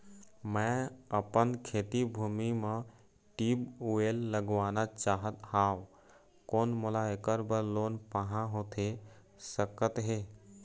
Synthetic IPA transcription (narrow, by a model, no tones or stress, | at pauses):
mɛ̃əpənkʰeːt̪ibʱuːmimẽ | ʈiːbuelːəɡʋaːnat͡ʃaːɦət̪haːʊ | koːnmolaekəɾbəɾloːnpəɦãɦoːt̪ʰe | səkət̪ɦeː